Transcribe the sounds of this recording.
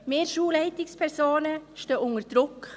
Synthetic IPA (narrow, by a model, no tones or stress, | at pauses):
meːɾʃuːlɛɪt̪ɪkspʰæɾsoːnəʃtoːʔʊŋəɾd̥ɾʊkː